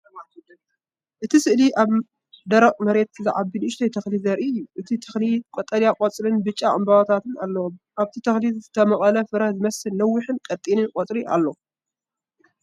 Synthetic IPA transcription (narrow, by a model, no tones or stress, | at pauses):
ʔɨt̪ʰisɨʔliʔaβ | d̪ɐɾɐqʼmɐɾe̞t̪ɨziʕaβbinːʃt̪ʰɐjt̪ʰɐxlizɐɾʔiɨjːuʔɨt̪ʰit̪ʰɐxlikʼot̪ʼːɐljakʼot͡sʼɾɨnbɨt͡ʃʼːaʔʼɨmbɐwat̪ʰat̪ɨnalːɐwomʔaβt̪ʰit̪ʰɐxlizɨt̪ʰɐmɐχʼɐlɐfɨɾɐhzɨmɐsːɨlnɐwːɪħɨnkʼɐt̪ʼinɨnkʼot͡sʼɾiʔa̰lːo